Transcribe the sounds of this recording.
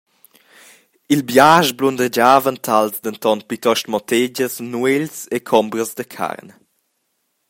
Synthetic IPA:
ilbjaʒblund̪əd͡ʒaːvənt̪ʰalzd̪ənt̪ɔnt̚pit̪ɔʃtmɔt̪ed͡ʒəsnuelsekʰɔmbɾəzd̪əkʰa̰rn

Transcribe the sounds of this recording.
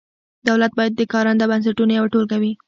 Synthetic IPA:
d̪awlat̪̚bɑjad̪̚ːəkɑɾand̪abans̬aʈunajawaʈolkawi

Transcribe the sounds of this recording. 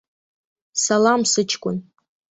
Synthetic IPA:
salamsɨt͡ʃʰkʷʼʊn

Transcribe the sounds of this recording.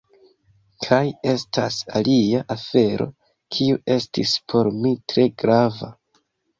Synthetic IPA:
kʰaje̞stʰasaliaʔafe̞ɾo̞̰ | kʰiuʔe̞stḭspʰo̞ɾmitɾe̞ɡɾava̰

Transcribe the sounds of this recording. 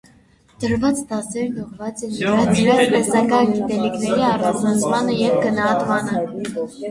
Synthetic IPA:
d̪̥əɾvɑt͡sd̪ɑsɛɾnɔʁvɑt͡sɛnɾɑt͡sʰɾɛt͡smɛzɑkɑɡit̪ɛliknɛɾiɑrɑt͡ʃʰnɑt͡sʰmɑnəjɛvɡənɑɦɑt̪mɑnə

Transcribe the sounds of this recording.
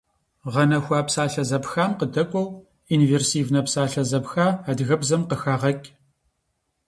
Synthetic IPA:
ʁɐnɐxʷaːpsaːɬɐzɐpxaːmqədɐkʷʼɔw | inveːrsiːvnɐpsaːɬɐzɐpxaːaːdɣɐbzɐmqəxaːʁɐkʲʼ

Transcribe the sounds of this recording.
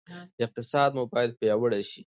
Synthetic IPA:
ɪq̚t̪ɪsɑd̪mubɑjad̪̚pjɑwəɽaʃi

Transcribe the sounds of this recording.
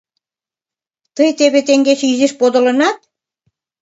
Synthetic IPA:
t̪əjt̪eβet̪eŋɡet͡ɕyzeʃpod̪ŏlɤ̆nɑt̪̚

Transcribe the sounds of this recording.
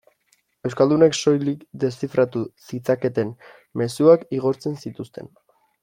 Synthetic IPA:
ewskald̪une̞kso̞jlikd̪e̞sifɾat̪usit͡sake̞t̪e̞n | me̞suakiɣ̞o̞ɾt͡se̞nsit̪ust̪e̞̰n

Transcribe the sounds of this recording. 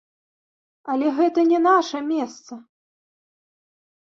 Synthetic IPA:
ɐlʲɛɣɛt̪ɐnʲɛnaʂɐmʲɛst̪sɐ

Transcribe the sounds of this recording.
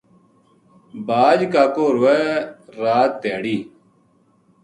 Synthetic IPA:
baːd͡ʒkaːkoːɾuɛːɾaːt̪̚ːeːɽiː

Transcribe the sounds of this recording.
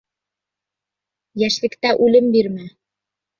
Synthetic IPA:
jæʃlɘ̆kt̪æʔʉlɘmbiɾmæ

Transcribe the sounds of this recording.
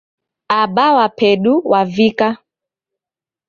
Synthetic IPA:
aɓawapʰɛɗuwavika

